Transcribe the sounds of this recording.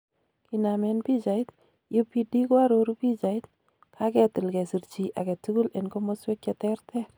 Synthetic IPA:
kinamɛnpi˦t͡ʃait̪̚ | ju˦pːidi˦kwa˦ɾoɾupi˦t͡ʃa˨it̪̚ | kʰa˦kɛ˨tu˨lkɛ˨si˨rt͡ʃiʔa˨kɛ˨tuɡu˦le˨nkomoswe˦kjɛtɛrtʰɛ˦

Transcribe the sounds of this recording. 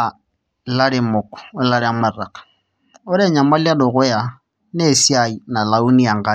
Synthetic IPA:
la˦ɾe˦mo˨kɔ̥˨o˦la˦ɾi˦a˦ma˨ra˨kḁ˨ | ɔ˦ɾɛ˦ɲa˨ma˦lja˦do˨ɣo˦ja˨ | ne˦˨si˦a˦˨i˨na˨la˨u˦ni˦ja˨ŋ˨ɡa˦

